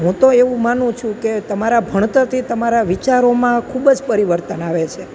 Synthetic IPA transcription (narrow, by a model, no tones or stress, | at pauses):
ɦũt̪oeʋũmanũt͡ʃʰũket̪əmaɾabʱəɳ̃t̪əɾt̪ʰit̪əmaɾaʋit͡ʃaɾomãkʰubd͡ʒpəɾiʋəɾt̪ənaʋet͡ʃʰe